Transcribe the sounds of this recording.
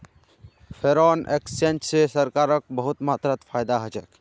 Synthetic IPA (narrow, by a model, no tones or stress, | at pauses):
pʰeɾɔːnḛkst͡ʃent͡ʃsesəɾkaːɾək̚bəɦʊt̪maːt̪ɾət̪pʰaːjd̪aɦəd͡ʒɛk